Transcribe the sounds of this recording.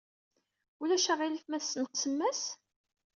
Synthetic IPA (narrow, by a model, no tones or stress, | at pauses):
ulæʃaʁiləθmæθsənt̪t͡sːəmːæs